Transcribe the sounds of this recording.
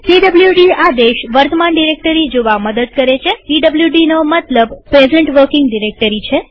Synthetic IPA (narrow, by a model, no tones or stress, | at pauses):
ʈiɖəbljuɖiad̪eʃʋəɾt̪əmanɖiɾek̚ʈəɾid͡ʒoʋaməd̪əd̪̚kəɾet͡ʃʰeʈiɖəbljuɖinomət̪ləbpɾezəɳʈʋəɾkɪŋɡɖiɾek̚ʈəɾit͡ʃʰe